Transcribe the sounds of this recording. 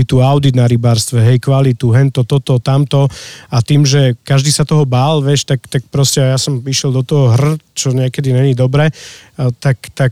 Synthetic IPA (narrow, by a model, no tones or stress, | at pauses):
it̪uaʊd̪id̪naɾibaːɾst̪ʋɛɦɛjkʋalit̪uɦɛnt̪ɔt̪ɔt̪ɔt̪amt̪ɔat̪iːmʒɛkaʒd̪iːsat̪ɔɦɔbaːlʋjɛʃt̪akt̪ak̚pɾɔscɛajasɔmiʃɪɛld̪ɔt̪ɔɦɔɦr̩t͡ʃɔɲɪɛkɛd̪iɲɛɲid̪ɔbɾɛt̪akt̪ak